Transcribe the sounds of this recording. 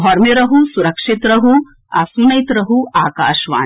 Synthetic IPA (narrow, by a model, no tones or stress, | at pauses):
ɦɔɾmeɾɐɦusuɾɐkʂit̪ɾɐɦu | ɐsmɐit̪ɾɐɦuaːka̰ːʃʋa̰ː